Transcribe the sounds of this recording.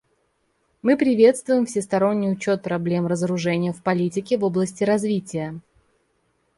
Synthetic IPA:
mɨpɾʲɪvʲe̞t̪st̪vʊjɪmfsʲɪst̪ɐɾo̞nʲːɪjʊt͡ɕo̞t̪̚pɾɐblʲe̞mrəzəɾʊʐɛnʲɪjəfpɐlʲitʲɪkʲɪvo̞blˠəsʲtʲɪɾɐzvʲitʲɪjə

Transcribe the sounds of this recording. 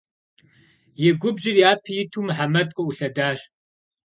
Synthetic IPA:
jɛɡʷʊbʒɪrjaːpʰɨjɪtʰuːmħamɐtʼqʼɔuɬɐdaːɕʼ

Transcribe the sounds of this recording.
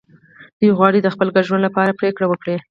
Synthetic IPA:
d̪̥ujɣwɑɽid̪əxpəlɡaɾʒwand̪lapɑɾapɾekɽawəkɽe

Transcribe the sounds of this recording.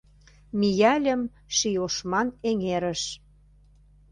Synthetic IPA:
mijælʲə̆m | ʃijoʃmɑneŋeɾə̆ʃ

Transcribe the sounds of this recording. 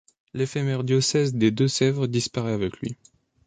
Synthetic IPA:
lefɛmɛʁd̪jɔsɛzd̪ed̪øsɛvʁd̪ispaʁɛavɛklɥḭ

